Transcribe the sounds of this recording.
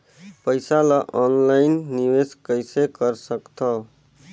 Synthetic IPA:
pəɪsaləʔɔnlaɪnːiweskəjsekəɾsəkt̪ʰə

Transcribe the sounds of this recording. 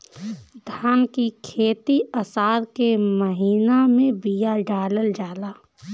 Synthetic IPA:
d̪ʱaːnkikʰeːt̪iəsaːɾkeməɦiːnamẽbijaɖaːləld͡ʒaːlaː

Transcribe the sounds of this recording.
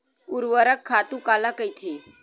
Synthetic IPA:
uɾʋəɾəkʰːat̪ũkalakəjt̪ʰe

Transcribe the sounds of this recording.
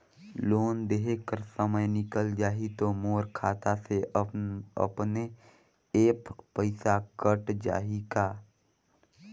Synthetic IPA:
loːnd̪eɦekəɾsəməjnɪkəld͡ʒaːɦit̪omoːɾkʰaːt̪ase | ə̰pne | eːppəɪsakəʈd͡ʒa̰ːɦikaː

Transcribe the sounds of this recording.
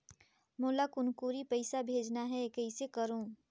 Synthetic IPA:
mʊːlakʊnkuːɾipɐɪsabʱeːd͡ʒnaɦɛekəɪsekəɾõː

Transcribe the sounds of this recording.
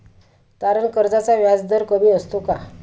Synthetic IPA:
t̪aɾəɳkəɾd͡zat͡saʋjad͡zd̪əɾkəmiːəst̪oka

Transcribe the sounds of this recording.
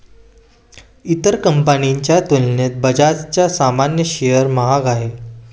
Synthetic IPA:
it̪əɾkəmpəniɲt͡ɕjat̪ulnet̪̚bəd͡ʑat̪t͡ɕjasamanjəɕejəɾmaɦaɡaɦe

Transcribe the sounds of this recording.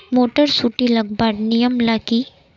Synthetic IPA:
moːʈəɾsuːʈilɐɡbaːɖnɪjəmlaki

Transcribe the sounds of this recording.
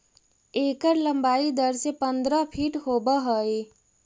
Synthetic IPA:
eːkəɾləmbaːid̪əɾsepənd̪ɾəpʰiːʈɦobəɦəe

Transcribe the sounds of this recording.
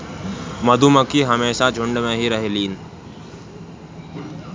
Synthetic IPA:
mɐd̪ʱuməkiɦɐmeːʃad͡ʒʱʊ̃ɳɖmẽɦiɾɐɦeliːnɪ̆

